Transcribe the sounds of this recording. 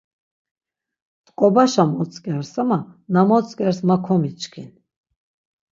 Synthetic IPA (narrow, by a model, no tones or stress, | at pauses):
t̪ʼkʼɔbaʃamɔt͡sʼkʼɛɾsamanamɔt͡sʼkʼɛɾsmakʰɔmit͡ʃkʰḭn